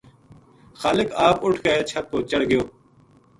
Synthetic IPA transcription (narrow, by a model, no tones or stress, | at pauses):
xaːlɪkaːpʊʈʰkəeːt͡ʃʰɐt̪̚koːt͡ʃəɽɡɪjoː